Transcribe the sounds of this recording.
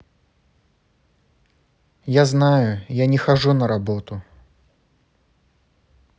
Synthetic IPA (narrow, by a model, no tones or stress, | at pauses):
jaznajʊjanʲɛxaʐunɐɾabɔt̪ʊ